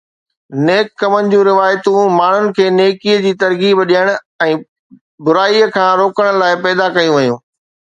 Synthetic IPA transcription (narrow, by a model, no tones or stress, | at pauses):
neːkːɐmənɪ̆d͡ʑũɾɪʋaːjt̪ũmaːɳ̤ʊnɪ̆kʰeːneːkiəd͡ʑiːt̪ɐɾkiːbɗiəɽ̃ʊ | ɛ̃ː | bʊɾaːiəkʰãːɾoːkəɽ̃ʊlaːɪpɛːd̪akɐjũʋɐjũː